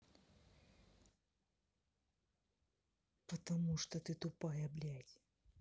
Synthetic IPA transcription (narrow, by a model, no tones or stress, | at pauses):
pɐt̪ɐmuʂt̪ɔt̪ɨt̪ʊpajɐblʲætʲ